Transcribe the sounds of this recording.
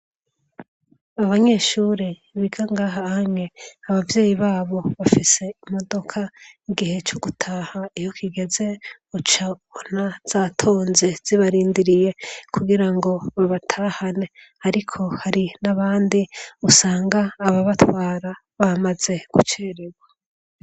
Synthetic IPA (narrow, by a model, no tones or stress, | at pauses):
aβaɲe̞ːʃuːɾe | βiɡaŋɡaːɦahame̞aβavje̞ːjiβaːβo̞βafise̞imo̞do̞kʰaiɡihe̞t͡ʃoɡutʰaːhaijokʰiɡe̞ze̞ | ut͡ʃaβonaz̥aːtʰoːnzez̥iβaɾiːndiɾije̞kʰuɡiɾaŋɡo̞βaβatʰaːhane̞ | aɾikʰo̞haɾinaβaːndiusaːŋɡaːβaβatwaːɾa | βamaze̞ɡ̥ut͡ʃeːɾeɡwa